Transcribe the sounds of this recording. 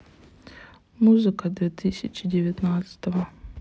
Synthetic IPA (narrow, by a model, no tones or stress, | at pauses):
muzɨkɐd̪vʲit̪ʰɨsʲɪt͡ʃʰɪdʲɪvʲɛt̪nat̪sɨ̥t̪ɐvɐ